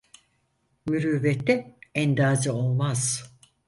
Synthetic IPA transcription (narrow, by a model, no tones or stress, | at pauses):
myɾyːvɛt̪ːɛænd̪aːd͡ʒaolˠmaz̥